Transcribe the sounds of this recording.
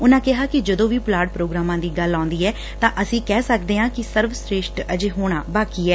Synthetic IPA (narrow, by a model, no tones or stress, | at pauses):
ʊnãːkɪɦaːkɪd͡ʒəd̪õːʋiːplaːɖpɾoːɡɾaːmãːd̪iːɡəlːãːnd̪iːɛː | t̪ãːʔəsĩːkɛːsəkd̪eːɦãːkɪsəɾʋsɾeːʃʈəd͡ʒeːɦoːɽ̃aːbaːkiːɛː